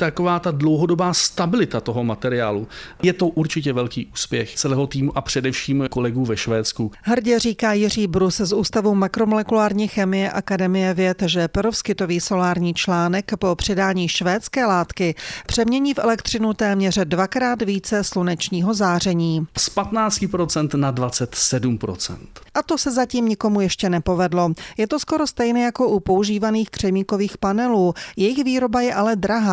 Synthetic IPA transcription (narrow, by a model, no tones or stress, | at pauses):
t̪akovaːt̪adlowɦodobaːst̪abɪlɪt̪at̪oɦomat̪ɛɾɪja̰ːlujɛt̪o̞ʔuɾt͡ʃɪcɛvɛlkḭːʔuːspjɛxt͡sɛlɛːɦot̪iːmuʔapr̥ɛdɛfʃiːmkolɛɡuːvɛʃvɛːt̪t͡skuɦr̩ɟɛriːkaːjɪriːbɾuszʔuːst̪avumakɾo̞molɛkulaːɾɲiːxɛmɪjɛʔakadɛmɪjɛvjɛt̪ʒɛpɾofskɪt̪o̞viːso̞laːɾɲiːt͡ʃlaːnɛkpo̞pr̝̥ɪdaːɲiːʃvɛːt̪t͡skɛːlaːt̪kɪpr̝̥ɛmɲɛɲiːfʔɛ̰lɛkt̪r̝̥ɪnut̪ɛːmɲɛr̝dvakɾaːt̪viːt͡sɛslunɛt͡ʃɲiːɦo̞zaːr̝ɛɲiːspat̪naːt͡scɪpɾot͡sɛnt̪nadvat͡sɛt̪sɛdumpɾo̰t͡sɛ̰nt̪ʔat̪o̞sɛzaciːmɲɪko̞mujɛʃcɛnɛpo̞vɛdlo̞jɛt̪o̞sko̞ɾost̪ɛjnɛjako̞ʔupo̞uʒiːvaniːxkr̝̥ɛmiːko̞viːxpanɛluːjɛjɪxviːɾo̞bajɛʔalɛd̪ɾaɦaː